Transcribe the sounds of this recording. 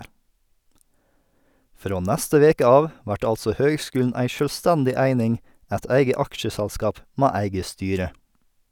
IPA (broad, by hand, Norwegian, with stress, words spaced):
ˈfɾoː ˈnæstə ˈʋeːkə ˈɑːʋ ˈʋæʈ ˈɑlsɔ ˈhøːɡˌskʉːln̩ ˈʔæɪ ˌʃœlˈstændɪ ˈæɪnɪŋ ˈæɪt ˈæɪɡə ˈɑkʃəsælˌskɑːp ˈmeː ˈæɪɡə ˈstyːɾə